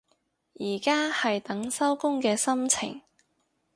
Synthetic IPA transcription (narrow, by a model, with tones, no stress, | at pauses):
jiː˨˩kaː˥hɐ˨jt̪ɐ˨˥ŋsɐ˥wkʊ˥ŋkɛː˧sɐ˥mt͡sʰɪ̰˨˩ŋ